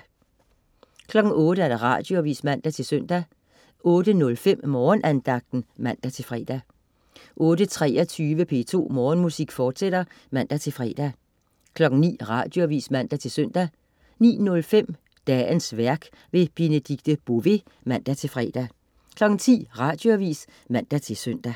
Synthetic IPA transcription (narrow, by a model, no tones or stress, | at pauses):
kʰlɒ̽ɡ̥n̩ɔ̽ːɾ̥əæɐd̥ɑ̈ʁɑ̰̈d̥jo̝ʋḭːsmæn̰d̥æt͡sʰe̝lsøn̰d̥æ | ʔɔ̽ːd̥ənɔ̽lfem̰mɒːnʔænd̥ɑ̈ɡ̥̚d̥n̩mæn̰d̥æt͡sʰe̝lfʁɛ̰ːd̥æ | ʔɔ̽ːd̥ət͡sʰʁɛːɐt͡sʰyːʋəpʰe̝̰ːt͡sʰo̝̰ːmɒːnmusiɡ̥fɒːd̥seɾ̥ɐ | mæn̰d̥æt͡sʰe̝lfʁɛ̰ːd̥æ | kʰlɒ̽ɡ̥n̩nḭːʁɑ̈d̥jo̝æʋḭːsmæn̰d̥æt͡sʰe̝lsøn̰d̥æ | nḭːnɔ̽lfem̰ | d̥ɛːnsʋæɐɡ̥ | ʋe̝b̥e̝nəd̥iɡ̥̚d̥əb̥oʋe̝ | mæn̰d̥æt͡sʰe̝lfʁɛ̰ːd̥æ | kʰlɒ̽ɡ̥n̩t͡sʰḭːʁɑ̈d̥jo̝æʋḭːs | mæn̰d̥æt͡sʰe̝lsøn̰d̥æ